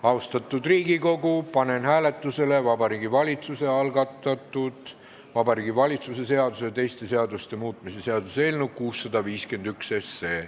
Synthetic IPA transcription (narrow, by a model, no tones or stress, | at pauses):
ɑwst̪ɑt̪ːˑud̪riːɡiko̞ɡupɑne̞nhæːle̞t̪ːˑuse̞le̞vɑbɑɾiːɡivɑlʲit̪suse̞ɑlɡ̥ɑt̪ːˑɑt̪ːˑud̪̥ | vɑbɑɾiːɡivɑlʲit̪suse̞se̞ɑd̪use̞t̪e̞jst̪e̞se̞ɑd̪ust̪e̞muːt̪ˑmise̞se̞ɑd̪̥use̞ːlnukuːsːɑd̪̥ɑviːske̞nd̪̥ykse̞sːe̞ː